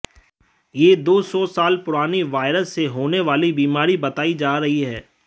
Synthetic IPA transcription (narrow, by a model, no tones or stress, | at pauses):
jeːd̪oːsɔːsaːlpʊɾaːniʋaːɪɾəsːeɦoːneʋaːlibiːmaːɾibɐt̪aːid͡ʒaːɾɐɦiɦɛː